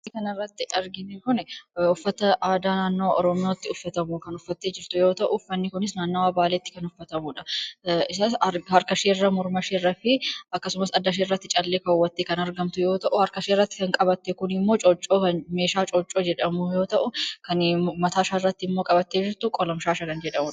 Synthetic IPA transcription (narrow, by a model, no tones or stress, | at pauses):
kɐnɐrːɐt̪ːɪɐɾɡɪnekʊnɛʊfːɐt̪ɐʔaːd̪aːnaːnːo̞ːʔɔ̰ɾɔmɪjaːt̪ːɪʊfːɐt̪ɐmukɐnʊfːɐt̪ːe̞ːd͡ʒɪɾt̪ʊjo̞ːt̪ɐʔʊfːɐnːɪkʊnɪs̬naːnːowaːbaːlet̪ːɪ̥kɐnʊfːɐt̪ɐmʊᶑɐɪsaːshɐɾkɐʃeːrːɐmʊɾmɐʃeːrːɐfɪɐkːɐsʊmɐsɐd̪ːɐʃ̬eːrːɐt̪ːɪt͡ʃʼɐlːeːkɐwːɐt̪ːeːkɐnɐɾɡɐmt̪ʊjo̞ːt̪ɐʔʊhɐɾkɐʃeːrːɐt̪ːɪ̥kɐŋkʼɐbɐt̪ːɛkʊnɪmːo̞ːt͡ʃʼɔt͡ʃʼːoːkɐnme̞ːʃaːt͡ʃʼɔt͡ʃʼːo̞ːd͡ʒɛᶑɐmʊjo̞ːt̪ɐʔʊkɐnmɐt̪aːʃaːrːɐt̪ːɪɪmːoːkʼɐbɐt̪ːeːd͡ʒɪɾt̪ʊkʼɔlɔmʃaːʃɐkɐnd͡ʒɛᶑɐmʊᶑ